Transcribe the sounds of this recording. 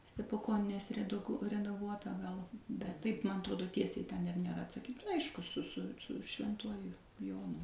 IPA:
sʲtʲɛpʊˈkoːnʲɛnʲeːs rʲɛˈdʊk rʲɛdɐˈɡuɔtɐ ɡɐlˠ bʲɛt tɐɪp ˈmɐn ɐtˈroːdoː ˈtʲiɛsʲɛɪ tʲɛn ɪr nʲeːˈrɐ ɐtsɐˈkʲiːt ˈɐɪʃkʊ sʊ sʊ sʊ ʃʲʋʲɛnˈtuɔjʊ ˈjoːnʊ

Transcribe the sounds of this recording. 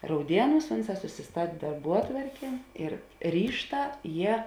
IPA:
rɐʊˈdʲiɛˌnuːs ˈʊnˌsɑː sʊsʲɪˈstɐtʲ dɐrˈbuɔtʋɐrʲkʲeː ɪr ˈrʲiːʃˌtɑː ˈjiɛ

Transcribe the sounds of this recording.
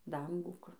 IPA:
ˈdɐŋɡuː kʊr

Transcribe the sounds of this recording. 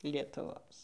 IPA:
lʲiɛtʊˈʋoːs

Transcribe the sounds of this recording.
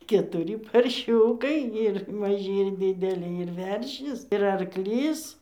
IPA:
kʲɛtʊˈrʲiː pɐrʲˈʃʲuːkɐɪ ɪr mɐˈʒʲiː ɪr dʲɪdʲɛˈlʲiː ɪr ˈʋʲɛrʲʃʲɪs ɪr ɐrˈklʲiːs

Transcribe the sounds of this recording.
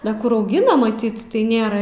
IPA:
dɐ ˈkʊr ɐʊˈɡʲɪnɐ mɐˈtʲiːt tɐɪ ˈnʲeːrɐ

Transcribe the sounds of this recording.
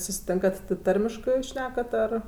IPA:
sʊsʲɪˈtʲeːŋkɐt tʲɪ ˈtɐrʲmʲɪʃkɜ juːs ˈʃʲnʲæːkɐt ɐr

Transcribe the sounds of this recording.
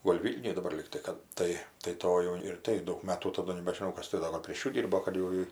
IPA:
ɡoːlʲ ˈʋʲiːlʲnʲʊj dɐˈbɐr ˈlʲiːktɐɪ kɐt ˈtɐɪ tɐɪ ˈtoːj jɛʊ ɪr ˈtɐɪ ˈdɐʊk ˈmɑːtuː tɐˈdʊ nʲɛbʲɛʒʲɪˈnɐʊ ˈkɐs tʲɪ ˈdoː ɡɐlˠ pʲrʲeːʃ ˈjuː ˈdʲiːrboː kɐt jɛʊ ˈjɪ

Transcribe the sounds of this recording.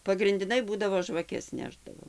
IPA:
pɐɡrʲɪnʲdʲɪˈnɐɪ ˈbuːdɐʋoː ʒʋɐˈkʲɛs ˈnʲæːʒdɐʋoː

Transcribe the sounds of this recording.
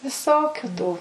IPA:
ʋʲɪˈsoːkʲʊ tuː

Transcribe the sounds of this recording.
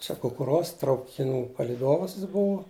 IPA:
ˈt͡ʃʲɛ kʊkʊˈruɔs trɐʊkʲɪˈnuː pɐlʲiːˈdoːʋɐs jɪs ˈbʊʋʊ

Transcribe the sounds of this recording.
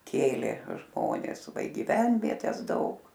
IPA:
ˈkʲeːlʲeː ˈʒmoːnʲɛs ˈʋɐ ɪ ɡʲiːˈʋʲɛnʲʋʲiɛtʲɛs ˈdɐʊk

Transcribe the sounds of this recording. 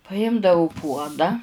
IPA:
pɐˈjɪmdɐʊ ˈpuɔdɐ

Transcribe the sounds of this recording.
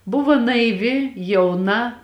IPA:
ˈbʊʋoː nɐɪˈʋʲɪ jɛʊˈnɐ

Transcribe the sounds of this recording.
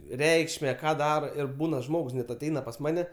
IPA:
ˈrʲɛɪkʃʲmʲɛ ˈkɑː ˈdɑːroː ɪr ˈbuːnɐ ˈʒmoːks nʲɛt ɐˈtʲɛɪnɐ pɐs ˈmɑːnʲɛ

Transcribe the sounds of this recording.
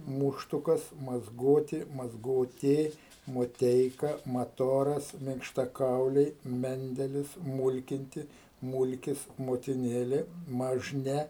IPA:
ˈmʊʃtʊkɐs mɐzˈɡoːtʲɪ mɐzˈɡoːtʲeː moːˈtʲɛɪkɐ mɐˈtoːrɐs mʲɪŋkʃtɐˈkɐʊlʲɛɪ ˈmʲɛnʲdʲɛlʲɪs ˈmʊlʲkʲɪnʲtʲɪ ˈmʊlʲkʲɪs moːtʲɪˈnʲeːlʲeː mɐʒʲˈnʲɛ

